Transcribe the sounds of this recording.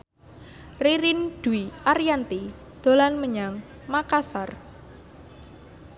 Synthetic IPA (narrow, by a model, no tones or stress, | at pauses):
riɾɪnd̥uiʔaɾjant̪i | d̪̥o̤lanməɲaŋ | makasar